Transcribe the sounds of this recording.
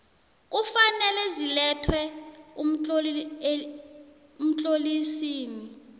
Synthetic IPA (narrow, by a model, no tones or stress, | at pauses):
k̬ufanɛlɛzilɛtʰwɛum̩ | um̩t͡ɬʼolisiːni